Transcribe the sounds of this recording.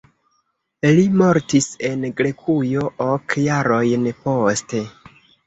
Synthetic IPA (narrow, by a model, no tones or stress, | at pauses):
limo̞ɾtise̞nɡɾe̞kʰujo̞ʔokjaɾo̞jnpo̞ste̞